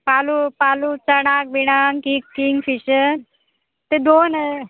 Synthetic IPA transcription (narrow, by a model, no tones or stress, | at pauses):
palupalut͡səɽ̃ak̚ʋiɽ̃aŋkikːiŋɡfiɕən | t̪ed̪onə